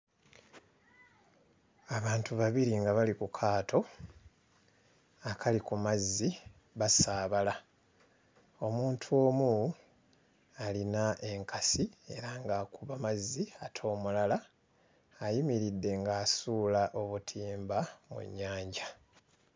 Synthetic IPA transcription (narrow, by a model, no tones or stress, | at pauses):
aβaːntuβaβiɾiŋɡaβalikukʰaːtʰo̞ | akʰalikumazːi | βasaːβala | o̞muːntʰuo̞ːmu | alinaʔe̞ŋkʰasie̞̰ɾaŋɡaːkuβamazːiatʰo̞ːmulalaː | jimiɾidːe̞ŋɡaːsuːlaʔo̞βutʰiːmbamṵɲːaːɲɟa